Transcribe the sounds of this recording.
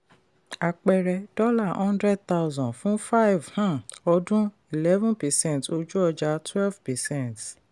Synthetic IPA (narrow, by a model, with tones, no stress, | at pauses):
a˧k͡pɛ˧ɾɛ˧d̥ɔ˦la˦˨ɔ̃˦ndɾɛ˦d̚t̪a˦uzɔ̃˨fũ˦fa˦i˨vhã˦ɔ˧dũ˦ | i˨lɛ˦vũ˦pɛ˨sɛ̃˦˨to˧d͡ʒu˦ɔ˧d͡ʒa˧twɛ˦lvpɛ˨sɛ̃˦˨nt